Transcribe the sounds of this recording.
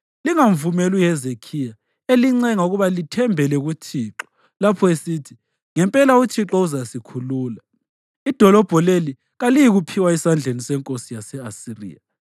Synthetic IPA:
liŋaɱvumɛlujɛzekʰija | eliŋ͡ǀɛŋauɣuβalitʰɛmbʱɛlɛɣut͡ʃʰiːǁɔ̥ | lapʰɔesiːtʰi | ŋɛmpʼɛlaut͡ʃʰiǁɔuzasikʰuluːla | id̥ʱɔlɔb̥ʱɔleli | ɣalijiɣupʰiwaisand͡ɮʱenisɛŋkʼosijasɛasirḭːja

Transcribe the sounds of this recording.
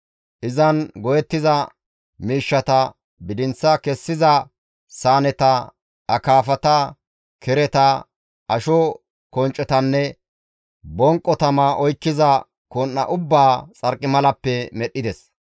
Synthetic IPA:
ʔɪzɐnɡɔjɛt̪ːɪzɐ | miːʃːɐt̪ɐ | bɪd̪ɪnt͡sːɐkɛsːɪzɐ | saːnɛt̪ɐ | ɐkaːfɐt̪ɐ | kʰɛɾɛt̪ɐ | ɐʃɔ | kɔnt͡ʃʼːɛt̪ɐnːɛ | bɔŋkʼːɔt̪ɐmɐʔɔjkːɪzɐ | konːɐ̰ʔʊbːaːt͡sʼɐɾkʼːɪmɐlɐpːɛmɛɗːɪd̪ɛs

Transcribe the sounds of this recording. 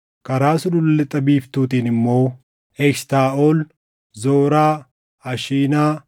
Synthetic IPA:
kɐɾaːsʊdʊllːɛt̪ʼɐbiːft̪uːt̪iːnɪmːo̞ː | ɛkst̪aːʔoːl | zoːɾaː | ɐʃiːnaː

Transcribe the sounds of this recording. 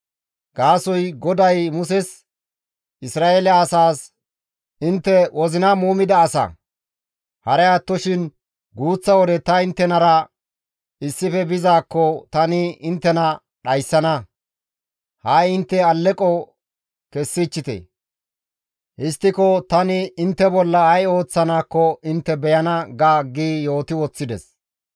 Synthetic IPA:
ɡ̥aːsɔjɡɔd̪ɐjmʊsɛs | ʔɪsɾaːelɛːsaːs | ɪnt̪ːɛwɔzɪnɐmuːmɪd̪ɐːsɐ̰ | hɐɾɛaːt̪ːɔʃɪn | ɡuːt͡sːɐwɔd̪ɛt̪ɐɪnt̪ːɛnɐɾɐ | ɪsːɪfɛbɪzaːkːɔt̪ɐnɪɪnt̪ːɛnɐ | ɗɐjsːɐnɐ | hajɪnt̪ːɛɐlːɛkʼɔ | kɛsːɪt͡ʃːɪt̪ḛ | ʔɪst̪ːɪkɔt̪ɐnɪɪnt̪ːɛbɔlːɐɐjo̞ːt͡sːɐnaːkːɔʔɪnt̪ːɛbɛjɐnɐɡaːɡiːjo̞ːt̪ɪwɔt͡sːɪd̪ɛ̰s

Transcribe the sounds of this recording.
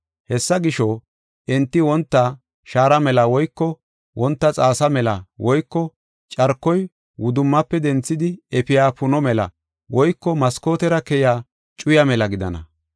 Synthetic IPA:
hɛsːɐɡɪʃɔ | ɛnt̪ːɪwɔnt̪ːɐ | ʃaːɾɐmɛlɐwɔjkːɔ | wɔnt̪ːɐt͡sʼaːsɐmɛlɐwɔjkːɔ | t͡ʃʼɐɾkːɔj | wʊd̪ʊmːɐpːɛd̪ɛnt͡sːɪd̪ɪɛpɪjaːpʊnɔmɛlɐ̰ | wɔjkːɔmɐsko̞ːt̪ɛɾɐkɛjaː | t͡ʃʼʊjɐmɛlɐɡɪd̪ɐ̰nɐ̰

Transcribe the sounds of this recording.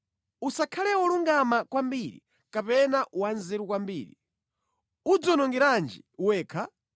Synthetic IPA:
usakʰalɛwɔluŋɡamakwambiɾḭ | kapɛnawanzɛɾukwambiːɾḭ | ud͡zɔnɔŋɡɛɾand͡ʒiwɛːkʰa

